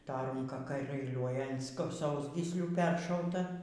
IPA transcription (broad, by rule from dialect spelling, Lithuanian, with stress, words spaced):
tɐ ˈruːŋkɐ kɐɪ ˈlʲuːlʲuɔjɛ ɐn sk ˈsɐʊzʲɡʲiːsʲlʲuː ˈpʲɛrʃɐʊtɐ